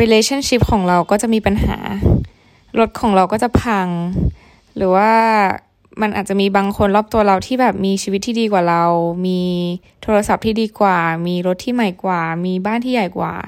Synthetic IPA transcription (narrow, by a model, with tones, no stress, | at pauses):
ɾiː˧leː˧t͡ɕʰa˥˩nt͡ɕi˦˥p̚kʰɔː˩˦ŋɾa˧wkɔː˥˩t͡ɕa˨˩miː˧pa˧nɦa̰ː˩˦ | ɾo˦˥t̪̚kʰɔː˩˦ŋɾa˧wkɔː˥˩t͡ɕa˨˩pʰa˧ŋ | ɾɯː˩˦waː˥˩ | ma˧nʔaː˨˩t͡ɕa˨˩miː˧baː˧ŋkʰo˧nlɔː˥˩p̚t̪u˧ɐɾa˧wt̪ʰiː˥˩bɛː˨˩p̚miː˧t͡ɕʰiː˧wi˦t̪ʰːiː˥diː˧kwaː˨˩ɾa˧wmiː˧ | t̪ʰoː˧ɾa˧sa˨˩p̚t̪ʰiː˥˩iː˧kwaː˨˩miː˧ɾo˦˥t̪ʰːiː˥˩ma˧˩jkwaː˨˩miː˧baː˥˩nt̪ʰiː˥˩ja˨˩jkwa̰ː˨˩